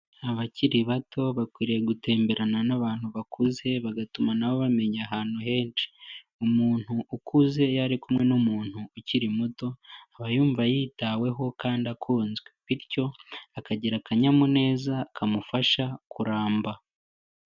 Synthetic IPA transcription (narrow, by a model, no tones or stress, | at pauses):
aβaciɾiβatʰo̞βakwiːɾijeɡute̞ːmbe̞ɾananaβaːn̥huβakʰuze̞βaɡatumanaβo̞βame̞ɲaɦaːn̥huɦe̞ːnt͡ʃi̥ | umuːn̥huʔːkuze̞jaɾikumŋe̞nomuːn̥huuciɾimuto̞aβajuːɱvajiːtawe̞ɦo̞kaːndakʰuːnzɡwe̞βiɾco̞akaɟiɾakaɲamune̞ːzakʰamufaʃakuɾaːmba